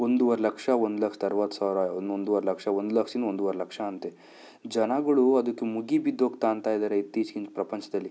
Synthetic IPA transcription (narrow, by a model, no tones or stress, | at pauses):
ond̪uʋɐɾelɐkʂɐond̪ulɐkʂt̪ɐɾʋat̪ːsaːʋɾaːond̪ond̪uʋɐɾelɐkʂɐond̪ulɐkʂind̪ond̪uʋɐɾelɐkʂɐːnt̪e | d͡ʒɐnaɡɐɭuɐd̪ukːemuɡibid̪ʱːoːɡt̪aːnt̪aːjd̪aːɾeit̪ːiːd͡ʒɡiɲt͡ʃpɾɐpɐɲt͡ʃɐd̪ɐlːi